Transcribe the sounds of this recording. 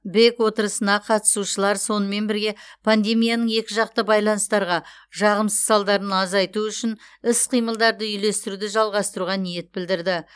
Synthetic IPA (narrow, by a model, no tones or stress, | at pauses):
be̞kwo̞t̪əɾəsənɑqʰɑt̪ə̥suʃəlˠɑɾso̞nəme̞nbɪɾɡʲe̞pʰand̪e̞mijanəɴje̞kʲɪʒɑq̚t̪əbɑjlˠɑnəst̪ɑɾʁɑ | ʒɑʁəmsəz̥sɑlˠd̪ɑɾənɑzɑjt̪uʏʃɪnɪsqʰijməlˠd̪ɑɾd̪əʏjle̞st̪ɪɾud̪ɪʒɑlˠʁɑst̪əɾuʁɑnije̞t̪̚bɪld̪ɪɾd̪ɪ